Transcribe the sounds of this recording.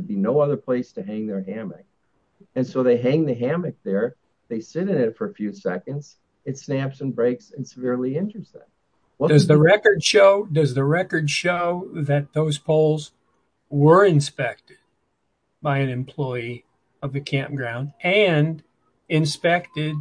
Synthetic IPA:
d̚binoʊʌðə˞pʰl̥eɪstʰɨɦæ̃ŋðə˞ɦæmɨ̰k̚ | ɨ̃nsoʊðeɪɦæ̃ŋðɨɦæmɨk̚ðə˞ | ðeɪsɪɾɨ̃nɨtfə˞əfjʉsɛkɨ̃ndz̥ | ɨtsnæpsɨ̃nbɹeɪksɨ̃nsəvɪɹliɪ̃nd͡ʒəɨ˞z̥ðæ̰t̚ | wʌd̥ʌzðɨɹɛkə˞dʃoʊdʌzðɨɹɛkə˞dʃoʊðɨt̪̚ðoʊz̥pʰoʊlˠz | wə˞ɨ̃nspɛk̚tɪd̚ | baɪɨ̃nɨ̃mpʰl̥ɔɪi | ʌvðɨkʰæ̃mp̚ɡ̥ɹãʊ̃ndɨ̃n | ɪ̃nspɛktɪd̚

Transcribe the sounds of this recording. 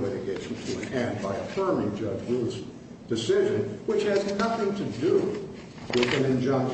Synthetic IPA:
ɪɾɨɡeɪʃn̩tʰɨɨ̃nɛ̃nbaɪɨfɜ˞mɪ̃ŋd͡ʒʌd͡ʒɡuz | d̥ɨsɪʒɨ̃nwɨt͡ʃhɨzkʰʌstɨ̃mtʰɨdə | wɪðɨ̃nɨ̃nd͡ʒʌ̃ŋ

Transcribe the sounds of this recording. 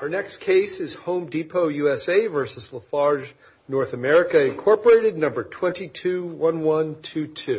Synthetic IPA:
ə˞nɛkskʰeɪsɨz̥hõʊ̃mdipʰoʊjʉɛseɪvɜ˞sɨzləfɑɹʒ | nɔɹθɨmɛɹɨkɨɨ̃nkʰɔɹpə˞eɪɾɨdⁿnʌ̃mbə˞tʰw̥ɛ̃ntitʰʉwʌ̃nwʌ̃ntʰʉtʰʉ

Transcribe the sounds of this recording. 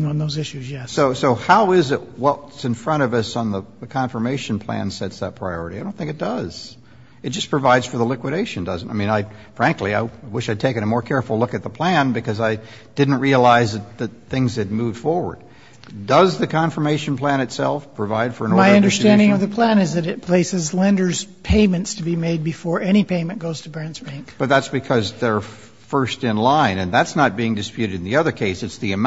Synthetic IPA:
ŋ̃nðoʊzɪʃʉzjɛsoʊsoʊhaʊɪzɪʔ̚wʌsɨ̃nfɹʌ̃ɾ̃ʌvʌsn̩ðəðɨkʰɑ̃ɱfə˞meɪʃɨ̃n̩pʰl̥æ̰̃nsɛtsðət̚pʰɹ̥aɪɔɹɨɾiadõʊ̃nθɪ̃ŋkɨt̚d̥ʌz̥ | ɨt̚d̥ʒ̥ʌspʰɹ̥ɨvaɪdz̥fə˞ðəlɪkwɨɾeɪʃɨ̃n̩dʌz̃ntaɪmĩnaɪfɹæ̃ŋkliaɪaɪwɪʃaɪd̚tʰeɪkɨ̃nɨmɔɹkʰɛɹfl̩ˠlʊkɨt̪̚ðəpʰl̥æ̃nbɨkʰʌzaɪ | d̥ɪdⁿn̩ʔ̚ɹiəlaɪzðɨt̪̚ðɨt̪̚θɪ̃ŋzɨd̚muvd̥fɔɹwə̰˞d̥̚ | dʌzðɨkʰɑ̃ɱfə˞meɪʃn̩pʰl̥æ̃ñɨtsɛ̰lˠfpʰɹ̥ɨvaɪd̥fə˞ɨ̃nmaɪʌ̃ndə˞stæ̃nndɪ̃ŋʌvðɨpʰl̥æ̃nɨzðɨɾɨt̚pʰl̥eɪsɨzlɛ̃ndə˞z̥pʰẽɪ̃mɨ̃ntstʰɨbimeɪd̚bɨfɔɹʔɛɾ̃ipʰẽɪ̃mɨ̃nɡ̥oʊz̥tʰəbæ̃nsb̥æ̃ɪ̃ŋkb̥ʌt̪̚ðætsb̥ɨkʰʌzðə˞ | fɜ˞stɨ̃nlãɪ̃nɨ̃nðætsnət̚b̥iɪ̃ŋdɨspjʉɾɨɾn̩ðiʌðə˞kʰeɪsɨtsðiɨm

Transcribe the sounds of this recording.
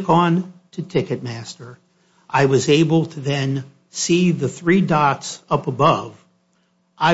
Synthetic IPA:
kn̩tʰɨtʰɪkɨt̚mæstə˞ | ʔaɪwʌzeɪbl̩ˠtʰɨðɨ̃n | siðɨθɹidɑtsʌpəbʌv | ʔaɪ

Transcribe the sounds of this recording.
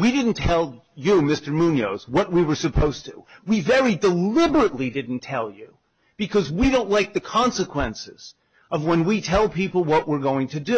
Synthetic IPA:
wiɾɪdⁿn̩tʰɛlˠ | jɨmɪstə˞mũnjoʊzwʌʔ̚wiwə˞sɨpʰoʊz̥tʰɨwivɛɹidəlɪbə˞ɨtˡlidɪdⁿn̩tʰɛlˠjɨ | b̥ɨkʰʌzwiɾõʊ̃nʔˡlaɪk̚ðɨkʰɑ̃nsɨkʰw̥ɛ̃nsɪ̰z̥ | ʌvwə̃nwitʰɛlˠpʰipl̩ˠwʌʔ̚wəɹɡoʊɪ̃ŋtʰɨdɨ

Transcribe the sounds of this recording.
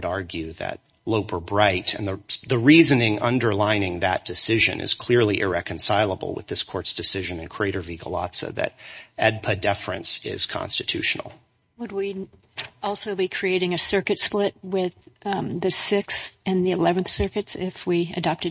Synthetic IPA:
ɾɑɹɡjʉðɨ̰t̚ | loʊpʰə˞bɹaɪɾɨ̰̃nðəðɨɹizɨnɪ̃ŋʌ̃ndə˞lãɪ̃nɪ̃ŋðɨ̰t̚d̥ɨsɪʒɨ̰̃nʔɨ̰z̥kʰl̥ɪɹlˠiʔɪɹɛkɨ̃n̩saɪlˠəbl̩ˠwə̰ðɪskʰɔɹtsd̥ɨsɪʒɨ̃nɨ̃nkʰɹ̥ieɪɾə˞viɡəlɑ̰tsə̰ðɨ̰ɾɛd̚pʰɨdɛfɨ̰̃nsɪ̰z̥kʰɑ̰̃nstɨtʰʉʃn̩l̩ˠ | wəd̚wi | ɔlˠsoʊbikʰɹ̥ieɪɾɪ̃ŋɨsɜ˞kɨtsplɪt̚wɪðɨsɪksɨ̃nðiɨlɛvɨ̃nθsɜ˞kɨtsɪfwiɨ̰dɑp̚tɨ

